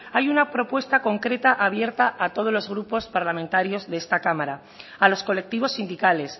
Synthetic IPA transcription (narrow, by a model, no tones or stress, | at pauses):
ajunapɾo̞pwe̞st̪ako̞ŋkɾe̞t̪aʔaβje̞ɾt̪aʔat̪o̞ð̞o̞lo̞zɣ̞ɾupo̞spaɾlamẽnt̪aɾjo̞zðeest̪akamaɾa | alo̞sko̞le̞k̚t̪iβ̞o̞sːind̪ikale̞s